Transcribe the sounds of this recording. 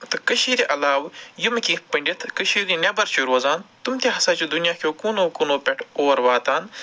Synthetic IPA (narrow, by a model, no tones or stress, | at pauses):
t̪ɨkɐʃiːɾiʔɐlaːʋjumkipɐɳɖʲit̪ʰkəʃiːɾinʲɐbɐɾt͡ʃʰiɾoːzaːnt̪umt̪ʲaɦɐsaːt͡ʃud̪unijaːkʰjoːkuːnoːkunoːpʲeʈʰoːɾʋaːt̪aːn